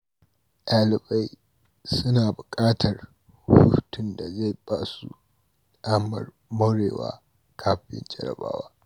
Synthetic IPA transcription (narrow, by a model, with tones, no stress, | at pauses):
ʔaː˨lɪ˨ba˦j | sʊ˦naː˨bʊ˨kʼaː˦tʰɐ˨r | hʊ˦tʊ˦˨nda˨za˦˨jbaː˦sṵ˦ | ʔaː˦mɐ̰˨r | mɐ˦ɽeː˨wa̰ː˦ | kʰaː˦ɸɸɪ̰˦nd͡ʒɐ˦ɽɐ̰˨ba̰ː˦waː˦